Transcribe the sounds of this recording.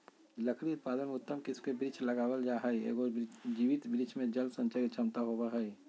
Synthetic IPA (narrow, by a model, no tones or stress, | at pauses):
ləkʰɽiʊt̪̚paːd̪ənmʊt̪ːəmkɪskebɾit͡ʃʰləɡaːwəld͡ʒaɦəjḛɡod͡ʒiʋit̪bɾit͡ʃʰmẽd͡ʒəlsə̃nt͡ʃəɾit͡ʃʰəmt̪aɦobəɦəj